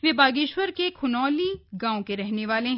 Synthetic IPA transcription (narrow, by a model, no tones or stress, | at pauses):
ʋebaːɡɪːʃwəɾkekʰʊnɔːliɡãːõkeɾɛɦneʋaːlẽɦ